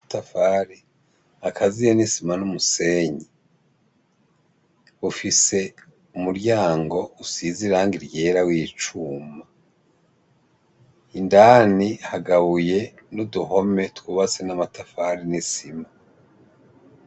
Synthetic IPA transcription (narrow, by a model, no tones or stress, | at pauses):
tafaɾi | akʰazijenisimanumuse̞ːɲi | βufise̞ | umuɾjaːŋɡo̞usiziɾaːŋɡiɾje̞ːɾawiːt͡ʃuːma | indaːnihaɡaβuje̞nuduɦo̞me̞tkwuβat͡senamatafaɾinisima